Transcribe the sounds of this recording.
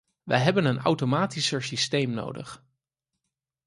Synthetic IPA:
ʋə̰jɦɛbənəna̰wtomaːtisəɹsistejmno̰wdə̰χ

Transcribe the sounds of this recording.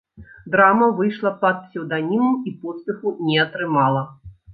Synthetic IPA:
d̪ɾamɐvɨjʂlˠɐpɐd̪̚psʲɛwd̪anʲimɐmipɔt̪spʲɛxunʲɛɐt̪ɾɨmalˠɐ

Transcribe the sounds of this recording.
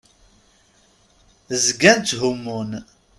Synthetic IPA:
zɡænt͡sːɦumun

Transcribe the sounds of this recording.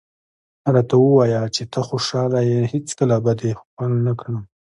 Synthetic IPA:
ɾɑt̪awəwɑjat͡ʃet̪ʰəxoʃɑlajehet͡skəlabad̪exxalnakɽa

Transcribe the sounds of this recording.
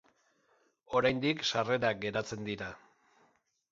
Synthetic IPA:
o̞ɾajnd̪ikʃare̞ɾaɡe̞ɾat͡se̞nd̪iɾa

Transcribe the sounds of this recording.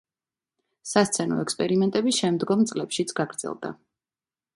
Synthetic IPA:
sast̪sʰɛnɔ̰ɛkspʼɛɾimɛnt̪ʼɛbisʃɛmd̪ɡɔmt̪sʼlɛpʃit̪sʰɡ̥aɡɾd̪z̥ɛ̰lˠd̪a̰

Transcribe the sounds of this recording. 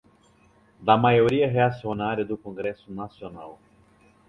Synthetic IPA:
d̪ɐmajoɾiɐɦeasionaɾjɐd̪ʊkõŋɡɾɛsʊnasionaw

